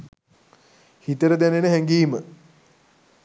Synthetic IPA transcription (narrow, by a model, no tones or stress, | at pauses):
hit̪əɾəd̪ænenəɦæŋɡiːmə